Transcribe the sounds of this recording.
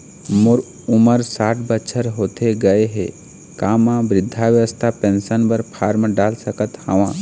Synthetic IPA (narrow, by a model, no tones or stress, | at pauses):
mʊɾ | ʊməɾsaːʈʰbətːʃʰəɾɦoːt̪eɡɐeɦɛ̰ | kaːmãbɾɪd̪ʱːaʋjəʋəst̪ʰapẽːnsənbəɾpʰaːɾmɖaːlsəkət̪həʋãː